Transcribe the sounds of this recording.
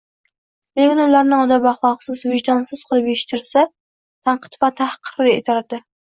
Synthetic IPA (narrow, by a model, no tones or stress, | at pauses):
lekʲɪnʊlaɾnɪɒd̪ɑbaχlˠɒʁsɪzvɪʒd̪ɒnsɪz̥qʰɨlˠɨpeʃɪ̥t̪ʰɪɾsa | t̪ʰaɴqʰɨ̥t̪vat̪ʰahqʰɨ̥ɾɪḛt̪ʰaɾad̪ɪ